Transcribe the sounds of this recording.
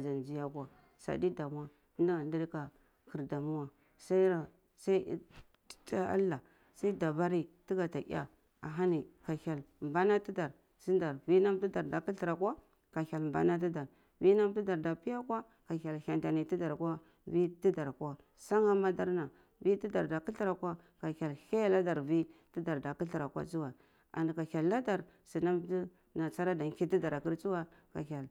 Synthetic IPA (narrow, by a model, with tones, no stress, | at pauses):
a˨d͡ʒa˨n˨d͡ʒi˦ja˦ka˨ | sa̰˨di˦da˨mu˦wa˨˦nda˨ndi˦dka˨ | ki˨ɾda˨mu˦wa˨ | sa˦i˦ɾa˨ | sa˦i˦ | ta˦a̰˦lːa˨ | sa˦i˦da˨ba˦ɾi˦ti˦ɡa˨ta˨ʔḭ˦ja̰˨ | a̰˨ɦa˦ni˨ka˨ha˨lmba˦na˦ti˦da˨ɾ | si˦nda˨ɾvi˦na˦m˦tu˦da˨ɾda˨ki˦ɬi˨ɾa˨kwa˦ | ka˨xa˨lmba̰˨na˦t̬i˦da˨ɾ | vi˦na˦mti˦da˨ɾda˨pi˦ja˦kwʷa˦ | ka˨ka˨lha˨nta˨ni˨ti˦da˨ɾkwa˦ | vi˦ti˦da˨ɾkwa˦ | sa˦ŋa˦ma˦da˦ɾna˨ | vi˦ti˦da˨ɾda˨ki˦ɬi˦ɾa˨kwa˦ | ka˨ka˨lha˦la˦da˨ɾvi˦ti˦da˨ɾda˨ku˦ɬi˨ɾa˨kwa̰˦t͡su˦wa˨ | a̰˨n˨ka˨xa˨lːa˦da˨ɾ | si˨na˦mti˦ | na˨t͡sa˦ɾa˦da˨ŋ˨ki˦ti˦da˨ɾa˨ki˦ɾt͡su˦wa˦ka̰˨ça˨l